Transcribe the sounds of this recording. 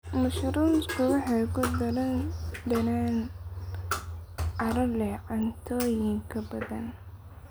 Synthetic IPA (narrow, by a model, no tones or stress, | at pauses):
mʊʃɾunskʰʊwɑħɑkʊd̪ɐlɐndɐnan | ɐɾɐlɛʕant̪ʰɔːjɪŋkʰɐbɐðɐ̰n